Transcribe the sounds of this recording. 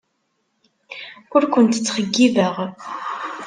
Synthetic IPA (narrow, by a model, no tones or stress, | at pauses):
ʊɾkʷənt̪ə̥t͡sːχəɡːivəʁ